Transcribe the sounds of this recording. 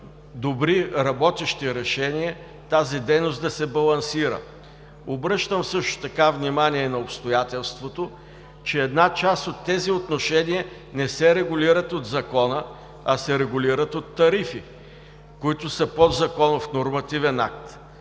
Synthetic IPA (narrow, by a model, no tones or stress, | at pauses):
d̪obɾiɾɐbɔt̪ɛʃt̪iɾɛʃɛniɛ | t̪azid̪ɛjnosd̪ɐsɛbɐlˠɐnsiɾə̰ | obɾɤʃt̪əmfsɤʃt̪ʊ̥t̪ɐkavnimaniɛnɐopst̪ojat̪ɛlˠst̪vot̪o | t͡ʃɛːd̪nat͡ʃast̪ot̪ːɛziot̪noʃɛniɛ | nɛsɛɾɛɡʊliɾət̪od̪zɐkɔnə | ɐsɛɾɛɡʊliɾət̪ot̪ːɐɾifi | kʊit̪ʊsəpod̪zɐkɔnofnoɾmɐt̪ivɛna̰k̚t̪